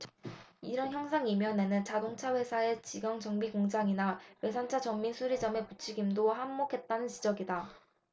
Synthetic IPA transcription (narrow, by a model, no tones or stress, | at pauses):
iɾʌnçjʌŋsʰaŋimjʌne̞nɯnt͡ɕadoŋt͡ɕʰawe̞sʰae̞t͡ɕiɡʌŋd͡ʑʌŋbiɡoŋd͡ʑaŋinawe̞sʰant͡ɕʰat͡ɕʌŋminsʰuɾid͡ʑʌme̞put͡ɕʰiɡimdohamːokʰe̞t̚t͈anɯnt͡ɕid͡ʑʌɡida